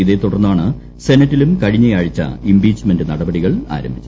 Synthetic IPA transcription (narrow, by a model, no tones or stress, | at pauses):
iðe̞t̪uɽɐrnːaːɳɨ | se̞nɐtːilumkɐɻiɲːɐjaːɻit͡ɕːɐ̰imbiːt͡ɕːme̞ndɨnɐɽɐbɐɽiɣɐɭa̰ːɾɐ̰mbʱit͡ɕːu